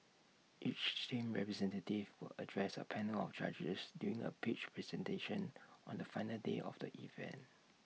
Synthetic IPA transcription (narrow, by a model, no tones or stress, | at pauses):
ʔit͡ʃtʰẽmɹɛpɹɛzɛ̃ntətivwɪlədɹɛsə̰pʰɛnəlɔft͡ʃa̰d͡ʒəsdjuɹĩŋə̰pʰit͡ʃpʰɹɛzɛ̃nteʃə̃nʔɔ̃ndəfãɪnəldḛʔɔ̰fdəʔivɛ̰̃nt